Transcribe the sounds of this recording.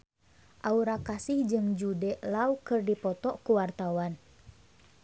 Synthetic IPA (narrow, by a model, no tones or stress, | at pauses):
ʔauɾakasɪhd͡ʒɨŋd͡ʒudɛʔlaukɨrdipɔt̪ɔkuwart̪awan